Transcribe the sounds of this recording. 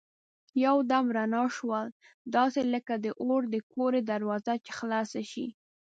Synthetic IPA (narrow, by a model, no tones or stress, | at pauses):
jawd̪amɾanɑʃwəl | d̪ɑseləkad̪əʔoɾd̪əkoɾed̪aɾwɑzat͡ʃe̥xlɑsaʃi